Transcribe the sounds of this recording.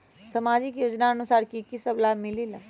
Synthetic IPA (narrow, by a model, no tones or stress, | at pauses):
sɐmaːd͡ʒɪkjoːd͡ʒnaɐnʊsaːɾkikisəblamɪlila